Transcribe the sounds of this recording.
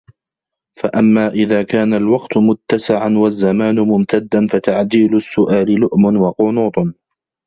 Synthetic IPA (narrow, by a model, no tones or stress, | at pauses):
faʔamːaːʔɪðaːkaːnalwɑqt̪ʊmʊt̪ːasɪʕanwazːamaːnʊmʊmt̪ʰad̪ːanfat̪aʕd̪iːlʊsːʊʔaːlɪlʊʔmʊnwɑqʊnuːt̪ˤ